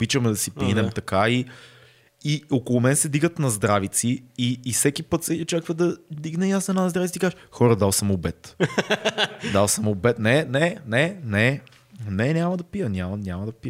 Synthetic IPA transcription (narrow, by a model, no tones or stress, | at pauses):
pit͡ʃəmɛd̪ɐsipinɛmt̪ɐkai | iokolˠʊmɛnsɛd̪iɡət̪nɐzd̪ɾavit̪siːsɛkʲipɤt̪sɛot͡ʃakvəd̪ɐd̪iɡnɛjasɛnanɐzd̪ɾavt̪t̪ikazxɔɾəd̪alˠsəmobɛt̪ | d̪alˠsəmobɛt̪nɛnɛnɛnɛ | nɛnʲamɐd̪ɐpijənʲamɐnʲamɐd̪ɐpiə